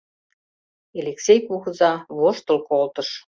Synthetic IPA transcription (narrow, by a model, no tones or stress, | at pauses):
eleksʲejkuxəzɑβoʃt̪ə̆lkolt̪əʃ